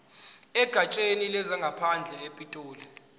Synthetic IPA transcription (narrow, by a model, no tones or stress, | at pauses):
ɛɡ̥ʱat͡ʃʼenilɛzaŋɡʱapʰand͡ɮʱɛepʼitʼuːlɛ